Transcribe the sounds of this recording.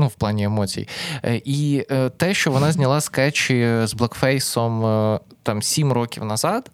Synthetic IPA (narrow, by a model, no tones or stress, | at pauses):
nuwplˠɑnʲiemɔt͡sʲḭjḭʔit̪ɛʃt͡ʃɔʋɔnɑzʲnʲɐlˠɑskɛt͡ʃɪzblˠɐkfɛjsɔmt̪ɑmsʲimrɔkʲiwnɐzɑd̪̥